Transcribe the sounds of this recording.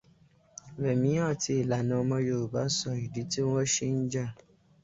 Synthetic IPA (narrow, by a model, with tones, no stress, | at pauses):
bɛ˨mĩ˨˦ã˦˨ti˧˦˨la˨nã˨˧mɔ̃˧jo˨u˨ba˨˦sɔ˨i˨di˨˦ti˦ɔ˦ʃi˦n̩˦d͡ʒa˦˨